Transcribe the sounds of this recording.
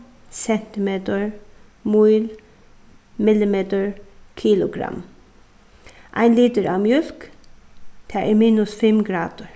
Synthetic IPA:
sɛn̥t̪ɪmeːt̪əɹmuɪl | mɪlɪmeːt̪əɹkʰiːlʊɡɾɑ̰m | ʔæ̰ɪnliːt̪əɾʔɑːmjœlk | t̪ʰæʔɛmiːnʊsfɛmɡɾɑːd̪̥əɹ

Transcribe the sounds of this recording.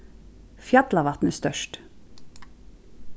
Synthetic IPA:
fjɑt̪lɑʋɑt̪nəst̪œʃʈ

